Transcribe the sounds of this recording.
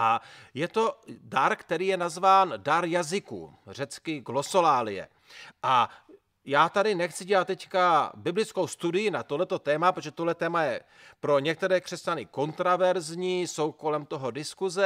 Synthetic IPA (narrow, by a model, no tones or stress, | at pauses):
ʔajɛt̪o̞daɾkt̪ɛɾiːjɛnazvaːndaɾjazɪkṵr̝ɛt͡skɪɡlo̞solaːlɪjɛ̰ | ʔa | jaːt̪adɪnɛxt͡sɪɟɛlat̪̚ːɛckabɪblɪt͡sko̞wst̪udɪjɪnat̪oɦlɛt̪o̞t̪ɛːmapɾot̪oʒɛt̪oɦlɛt̪ɛːmajɛ | pɾo̞ɲɛk̚t̪ɛɾɛːkr̝̥ɛscanɪko̞nt̪ɾavɛɾzɲiːso̞wko̞lɛmt̪o̞ɦo̞dɪskuzɛ